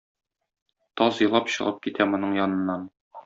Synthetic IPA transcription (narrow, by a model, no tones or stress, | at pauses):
t̪ɒzjɤ̆lˠɑpɕɤ̆ʁɤp̚kit̪ʰæmŏnɤɴjɒnɤ̆nːɑn